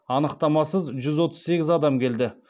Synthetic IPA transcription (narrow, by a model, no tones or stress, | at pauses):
ɑnəqt̪ɑmɑsəzʒʏzwo̞t̪ʰəzse̞ɡʲɪzɑd̪ɑmkʲʰe̞ld̪ɪ